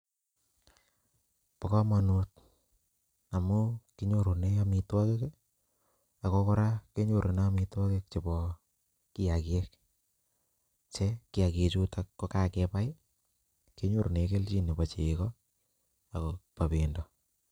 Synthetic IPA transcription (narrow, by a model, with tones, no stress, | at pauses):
pɔka˦ma˨nu˦t̚ | a˨mʊ˦ki˦ɲo˨ɾu˨ne˦amitwa˦ke˦k | a˨kɔ˦kɔ˦ɾa˦ke˦ɲo˨ɾʔo˨na˦mi˨twa˦ke˦k̚t͡ʃe˨bɔ˨ | ki˦akje˦k̚ | t͡ʃe˦kɪ˦a˨ke˨t͡ʃu˦takːɔ˦ka˦kɛpa˦jɪ˦ | ke˦ɲo˦ɾo˨neke˦lt͡ʃi˦ne˨pa˨t͡ʃe˨kɔ˦ | a˨kɔpa˨pi˨ndɔ˨